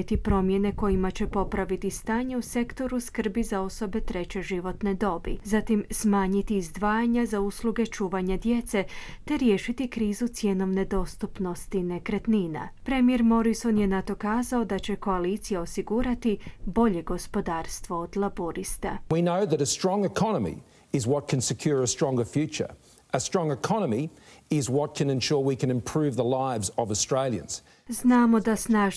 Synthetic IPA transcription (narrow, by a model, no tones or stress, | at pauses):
et̪ipɾo̞mje̞ne̞ko̞imat͡ɕe̞po̞pɾaʋit̪ist̪aːɲeuse̞kt̪o̞ɾuskr̩bizao̞so̞be̞t̪ɾe̞t͡ɕe̞ʒiʋo̞t̪ne̞d̪o̞bḭzat̪imsmaːɲit̪iːzd̪ʋaːjaɲazausluɡe̞t͡ʃuːʋaɲad̪je̞t̪se̞t̪e̞ɾje̞ːʃit̪ikɾiːzut̪sje̞no̞ʋne̞d̪o̞st̪upno̞st̪ine̞kɾet̪niːna̰pɾe̞mijeɾmo̞ɾiso̞nje̞nat̪o̞kaːzao̞d̪at͡ɕe̞ko̞alit̪sijao̞siɡuːɾat̪ibo̞ʎe̞ɡo̞spo̞d̪aːɾst̪ʋo̞od̪lˠaboɾist̪a̰winoʊðɨɾɨstɹ̥ɔ̃ŋɨkʰɑnəmḭ | ɪzwʌt̚kʰɨ̃n̩sɨkʰj̥ʊɹɨstɹ̥ɔ̃ŋɡə˞fjʉt͡ʃə̰˞ | ʔəstɹ̥ɔ̃ŋɨkʰɑnəmiɪzwʌt̚kʰɨ̃nɨ̃nʃɔɹwikʰɨ̃nɨ̃mpʰɹ̥ʉvðəlaɪvzəvəstɹ̥eɪlˠjɨ̰̃nz̥ | znaːmo̞d̪asnaːʒ